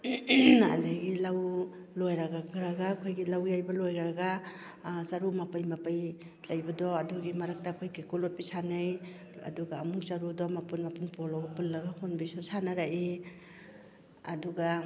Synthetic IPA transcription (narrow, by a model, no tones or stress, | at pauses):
a̰dajɡilaw | lojɾaɡaɡɾaɡakʰojɡilawjajbalojɾaɡa | saɾumapajmapaj | lajbadɔaduɡimaɾak̚takʰojkekulɔt̚pisanaj | a̰duɡaːmuk̚zaɾudɔmapunmapunpɔlaɡapulːaɡahonbisusanaɾaʔi | aduɡa